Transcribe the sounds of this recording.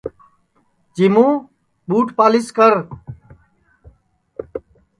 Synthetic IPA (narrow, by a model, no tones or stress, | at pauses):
t͡ɕimũː | buːʈpaːliskəɾ